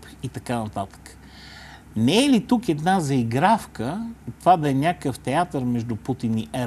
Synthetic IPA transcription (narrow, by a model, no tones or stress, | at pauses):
p | it̪ɐkanɐt̪at̪ə̥kə̥ | nɛɛlit̪ukɛd̪nazɐiɡɾafkət̪vad̪ɐɛnʲakəft̪ɛat̪əɾmɛʒd̪ʊput̪iniʔɛ